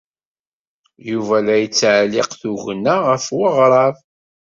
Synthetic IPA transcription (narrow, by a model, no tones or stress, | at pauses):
juvælæjət͡sːʕlɪqθuʝənːaʁəfwəʁɾˤɑv